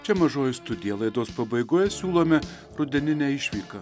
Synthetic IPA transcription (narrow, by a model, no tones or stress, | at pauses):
t͡ʃʲɛmɐʒoːjʊst̪ʊd̪ʲɪjɛlˠɐɪd̪oːspɐbɐɪɡoːjɛsʲuːlˠoːmʲɛ | ɾʊd̪ʲɛnʲɪnʲæːɪʃʲʋʲiːkɐ